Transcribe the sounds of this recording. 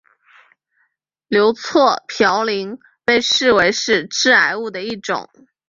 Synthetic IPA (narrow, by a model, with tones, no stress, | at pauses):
ljo˧˥ʊt͡sʰwɔ˥˩pʰjɑ˧˥ʊli˧˥ŋ | pe˥˧ɪʂɻ̩˥˩we˧˥ɪʂɻ̩˥˧ʈ͡ʂɻ̩˥a˧˥ɪu˥˩d̪ə˩i˥˩ʈ͡ʂʊ̰˨˩˦ŋ